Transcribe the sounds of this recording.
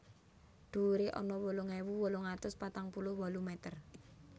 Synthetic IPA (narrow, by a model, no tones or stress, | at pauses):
d̪̥uɾeʔɔ̰nɔwoloŋɛwuwolɔŋat̪ʊspat̪aŋpulʊhwɔlumɛt̪ər